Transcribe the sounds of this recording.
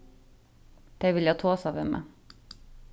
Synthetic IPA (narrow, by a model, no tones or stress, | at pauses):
d̪̥eɪʋɪljɑt̪ʰoːsɑʋemḛ